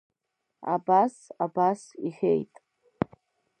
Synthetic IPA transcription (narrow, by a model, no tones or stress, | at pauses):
a̰basabasiχʲḛjtʼ